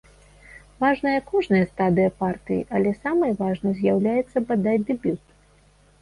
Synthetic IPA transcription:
vaʐnɐjɐkɔʐnɐjɐst̪ad̪ɨjɐpart̪ɨjḭʔɐlʲɛsamɐjvaʐnɐzʲjawlʲajɛt̪sːɐbad̪at͡sʲd̪ɛbʲut̪

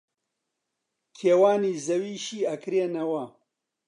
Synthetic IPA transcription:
kʰeːwaːniːzɐwiːʃiːɐkɾeːnɐwɐ

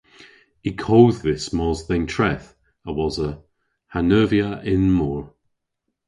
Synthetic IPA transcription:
ikʰoːððɪsmɔzθɛ̃ntʰɹ̥ɛθ | əwɔzə | hanɜːvjəʔɪnmɔːɹ

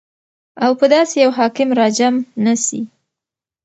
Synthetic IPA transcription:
awpəd̪ɑsejawɦɑkɪmɾɑd͡ʒamnasḭ

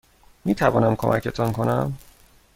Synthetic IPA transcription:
miːt̪ʰævɒ̰ːnæmkʰomʔæ̰cʰet̪ʰɒnkʰo̞næm

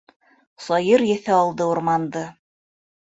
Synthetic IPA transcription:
sɑjɤɾjɘ̆θæɑlˠd̪ɤuɾmɑnd̪ɤ

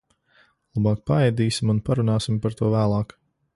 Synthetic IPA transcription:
lˠabɑːk̚paɛjd̪iːsʲimunpaɾunaːsimpaɾt̪uɔvæːlˠɑːk

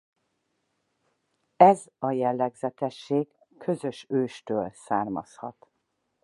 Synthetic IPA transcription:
ɛz | ɒjɛlːɛɡzɛt̪ɛʃːeːɡ | kʰø̞zøʃøːʃt̪øːlsaːrmɒ̰shɒ̰t̪

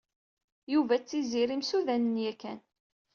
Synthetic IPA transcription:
juvæt͡sːiziɾimsuðænənjækːæ̰n

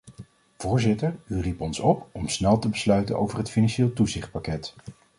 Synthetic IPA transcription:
v̥ʊːɹzɪtəɹyripɔnsɔpɔmsnɛlˠtəbəslœɥtə̰nʔo̰wvərɦətfinɑnʃeːlˠtuzɪχt̚pakɛt

